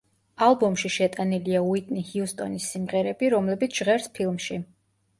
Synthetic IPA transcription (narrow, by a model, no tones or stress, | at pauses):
alˠbɔmʃiʃɛt̪ʼaniliauit̪ʼnihiust̪ʼɔ̰nisːimʁɛɾɛbiɾɔmlɛbit̪sʰʒ̥ʁɛɾspʰilˠmʃi